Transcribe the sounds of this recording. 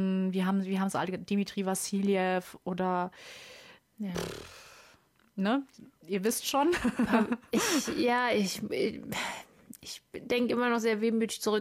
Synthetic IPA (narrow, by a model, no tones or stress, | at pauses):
nviːɐɦaːbm̩viːɐɦaːm̩sʔa̰lədimitʁ̥ivaziːljɛfʔoːdɐ | nəiːɐvɪstʃoːn | ɪçjaːɪç | ʔɪçd̥ɛŋkəʔɪmɐnɔχz̥eːɐveːmyːtɪçt͡suʁʏ